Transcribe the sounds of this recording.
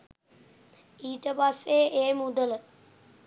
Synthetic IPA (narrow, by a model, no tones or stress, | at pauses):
iːʈəpasːeʔeːmud̪ələ